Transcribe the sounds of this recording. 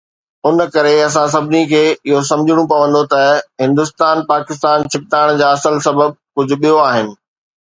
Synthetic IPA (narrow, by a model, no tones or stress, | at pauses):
ʊnkɐɾeɐs̬ãs̬ɐbʱɪnikʰeːɪɦos̬ɐ̃md͡ʑʱɪɽ̃ũpɐʋə̃nd̪ot̪ɐɦɪ̃nd̪ʊst̪aːnpaːkɪst̪aːnt͡ɕʰɪk̚t̪aːɽ̃d͡ʑaːɐsəlsɐbəb̚kʊd͡ʑʱʊ̆ɓijoaːɦɪnɪ̆